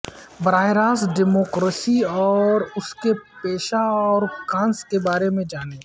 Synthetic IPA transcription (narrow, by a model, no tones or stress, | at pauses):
bɐɾaːjɾaːsɖɪmoːkɾesiɔːɾʊskepeːʃaɔːɾkãːnskebaːɾemẽd͡ʒaːneː